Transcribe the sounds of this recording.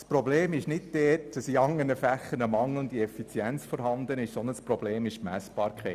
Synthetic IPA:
spɾobleːmɪʃnɪd̚d̥ɛːtd̥ɑsiɑŋːəɾnəfæχːənəmɑŋlʊndiɛfit͡sjɛnt͡sfɔɾɦɑnd̪ənɪʃsɔnəspɾɔbleːmɪʃmæ̰sb̥ɑːɾkʰɛ

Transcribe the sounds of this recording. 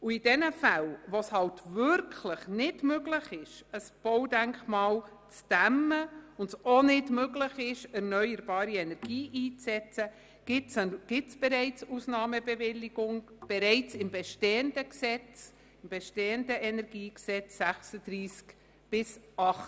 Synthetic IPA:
ʊɪd̥ɛnəfælʋoshɑltvʏɾkʰləχnɪdmøɡləχɪʃəsb̥ɔwdæŋkmɑːl | t͡sd̥æmːəʊntsonɪdmøɡləχɪʃɛɾnœʏəɾbɑːɾiɛnɛɾɡ̥iːʔiːt͡sːɛt͡sə | ɡ̥ɪtɡ̥ɪtsb̥ɛɾɛɪt͡susnɑːməbɛvɪlːɪɡ̥ʊŋb̥ɛɾɛɪt͡sɪmbɛʃteːənd̥əksɛt͡s | ɪmbɛʃteːəndəʔɛnɛɾɡiːksɛt͡sːæχsəd̥ɾiːsk | b̥ɪsɑχt

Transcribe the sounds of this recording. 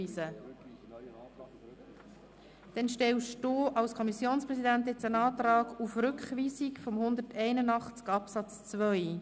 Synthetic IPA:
iːsə | d̪̥ɛnʃtɛwʃd̥oːʔɑlskʰɔmisjoːnspɾɛsidænt̪̬jɛt͡sənɑːt̪ɾɑːɡufrʏkχʋiːsikfɔmhʊnd̪ərtʰɛɪnənɑχt͡skɑpsɑt͡st͡svœj

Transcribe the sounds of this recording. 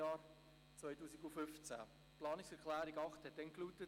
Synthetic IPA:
ɑːɾ | t͡svœjtuːsiɡufʏft͡sæ̰ | plɑːnɪksɛɾklæːɾiɡɑχthɛt̚dɛnkluːtət

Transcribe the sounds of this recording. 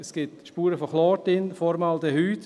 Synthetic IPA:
əsɡ̥ɪtʃpuːɾəfɔχlɔːtɪnfɔɾmɑld̪ɛhyːt

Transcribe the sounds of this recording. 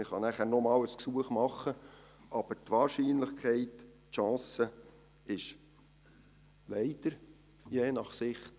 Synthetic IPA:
ɪχɑnæχæːɾnɔmɑːləsksuəχmɑχːə | ʔɑb̥əɾtʋɑːɾʃiːnləχkʰɛɪt | ʃɑ̃ːsə | ɪʃ | lɛɪd̪̥əɾ | jeːnɑχsɪχt

